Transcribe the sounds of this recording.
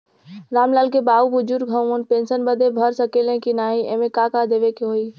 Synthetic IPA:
ɾaːmlaːlkebaːubʊd͡ʒuɾɡʱəənpẽːnsənbəd̪ʱebʱəɾsəkelẽkinaːɦĩḛ̃ːmẽkakad̪eːʋekeɦoːiː

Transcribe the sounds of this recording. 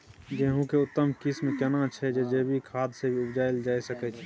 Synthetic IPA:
d͡ʒeɦũkeʊt̪ːəmkismkɐnãt͡ʃʰɛd͡ʒed͡ʒebʱikʰaːd̪sebʱiʊbd͡ʒaːjld͡ʒaːisəkɛt͡ʃʰ

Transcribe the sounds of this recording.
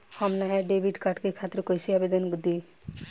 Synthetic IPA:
hɔmnaɦɛɖebʱiɖkaʈkekʰat̪ːɾokojsʰiabed̪onɡud̪i

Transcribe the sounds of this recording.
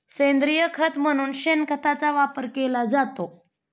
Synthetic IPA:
sẽnd̪ɾijəkʰət̪m̤əɽ̃uːnɕenkət̪at͡saʋapəɾkelad͡zat̪o

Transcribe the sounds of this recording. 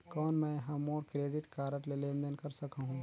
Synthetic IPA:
kɔːnmɛ̃ːɦɐmɔːɾkɾeːɖɪʈkaːɾəʈlelẽːnd̪ənkɐɾsɐkaɦũː

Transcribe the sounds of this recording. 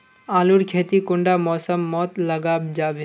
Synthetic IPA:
aːlʊɾkʰeːt̪ikʊ̃ɳɖamɔːsəmːɔːt̪lɐɡaːbd͡ʒaːbe

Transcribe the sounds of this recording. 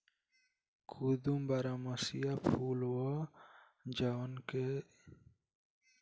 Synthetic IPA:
kʰud̪umbaɾamasijapʰulwɔ | d͡ʒawanke

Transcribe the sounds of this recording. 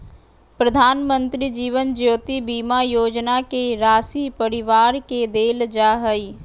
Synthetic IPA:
pɾəd̪ʱaːnmə̃nt̪ɾid͡ʒiːʋənd͡ʒoːt̪ibiːmajoːd͡ʒnakeɾaːsipəɾɪʋaːɾked̪eːld͡ʒaːɦəi

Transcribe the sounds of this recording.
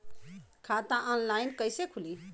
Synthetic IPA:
kʰat̪aʔɔnlajnkəjsekʰuli

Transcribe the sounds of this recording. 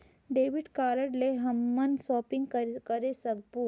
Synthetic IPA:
ɖeːʋɪɖkaːləɖleɦɐmːənsɔːpɪ̃ŋɡkkɐɾesɐk̚buː

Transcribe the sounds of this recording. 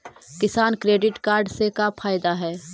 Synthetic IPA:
kɪsaːnkɾeːɖɪʈkaːɾɖsekapʰaːjd̪aɦɛː

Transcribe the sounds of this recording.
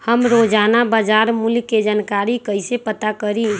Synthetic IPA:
həmɾod͡ʒanabad͡ʒaɾmulkːed͡ʒankaɾikəɪsepət̪akəɾi

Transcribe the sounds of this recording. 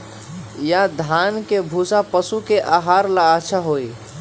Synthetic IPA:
jad̪ʱankebʱusapəsukeʔaɦaɾlaːt͡ʃʰaɦoi

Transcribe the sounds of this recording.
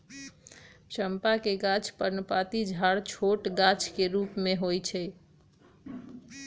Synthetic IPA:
t͡ʃʰəmpakeɡat͡ʃʰpəɾnəpat̪id͡ʒʱaɽt͡ʃʰoʈɡat͡ʃʰkeɾupmeɦojt͡ʃʰɛ

